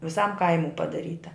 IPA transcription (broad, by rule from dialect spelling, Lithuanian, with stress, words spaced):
ʋʲɪˈsɐm ˈkɐɪmʊ pɐdɐˈrʲiːtɐ